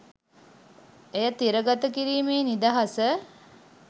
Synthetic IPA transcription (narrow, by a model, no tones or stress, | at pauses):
ejat̪iɾəɡat̪əkiɾiːmeːnid̪aɦasə